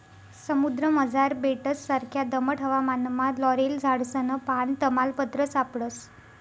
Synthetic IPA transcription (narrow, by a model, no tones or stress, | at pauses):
səmud̪ɾəməd͡zaɾbeʈəsːaɾkʰjad̪əməʈʰəʋamanmalɔɾeld͡zʱaɽsənəpaɳt̪əmalpət̪ɾəsapɽəs